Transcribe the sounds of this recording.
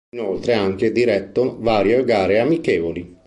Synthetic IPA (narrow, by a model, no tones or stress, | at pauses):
inolt̪ɾeaŋk̟ed̪iɾɛt̪ːovaːɾjeɡaːɾeamikeːvoli